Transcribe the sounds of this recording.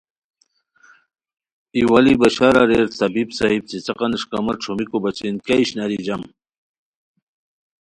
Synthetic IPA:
iwalibɐɕaɾaɾeɾt̪ɐbibsaɦib̚t͡sit͡sɐqɑnɨʂkɐmɐɾʈ͡ʂʰomikobɐt͡ɕinkaiɕnɐɾid͡ʑɐm

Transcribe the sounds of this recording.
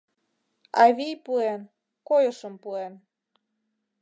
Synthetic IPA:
ɑ̰βijpuen | kojəʃə̆mpuen

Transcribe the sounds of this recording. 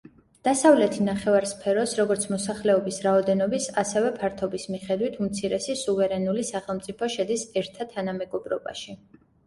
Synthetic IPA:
d̪̥asavlɛt̪ʰinaχɛvaɾspʰɛɾɔsɾɔɡɔɾt̪sʰmɔsaχlɛɔbisɾaɔd̪ɛnɔbisasɛvɛpʰaɾt̪ʰɔbismiχɛd̪wit̪ʰumt̪sʰiɾɛsisuvɛɾɛnulisaχɛlˠmt̪sʼipʰɔʃɛd̪isɛɾt̪ʰat̪ʰːanamɛɡɔbɾɔba̰ʃi

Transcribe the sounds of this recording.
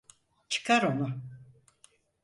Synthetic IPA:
t͡ʃʰɨ̥kʰaɾo̞nʊ

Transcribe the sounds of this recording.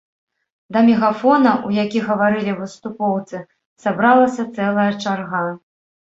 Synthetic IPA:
d̪ɐmʲɛɣafɔnɐʔujakʲiɣɐvaɾɨlʲivɨst̪upɔwt̪sɨ | sabɾalˠɐsʲɐt̪sɛlˠɐjɐt͡ʂarɣa

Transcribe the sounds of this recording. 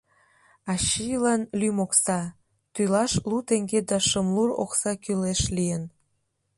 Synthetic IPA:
ɑɕilɑnlymoksɑ | t̪ylɑʃlut̪eŋɡed̪ɑʃəmluro̰ksɑkyleʃlijən

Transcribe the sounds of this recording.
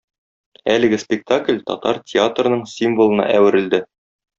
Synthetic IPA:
ælɘ̆ɡɘspʲɪk̚t̪aklʲt̪ɒ̰t̪ɑɾtʲʰɪat̪rnɤɴsʲimvŏlˠɤ̆nɑ̰ʔæwɘ̆ɾɘ̆ld̪ɘ

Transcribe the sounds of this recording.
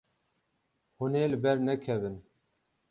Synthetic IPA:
huneːlɨbɛɾnɛkʰɛvɨn

